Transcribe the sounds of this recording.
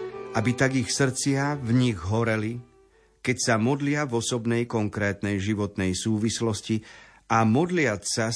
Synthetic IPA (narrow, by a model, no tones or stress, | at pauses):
ʔabit̪aɡixsr̩t͡sɪavɲiɣɦɔɾɛli | kɛcsamɔd̪lɪavɔsɔbnɛjkɔŋkɾɛːt̪nɛjʒiʋɔt̪nɛjsuːʋislɔsci | ʔamɔd̪lɪasa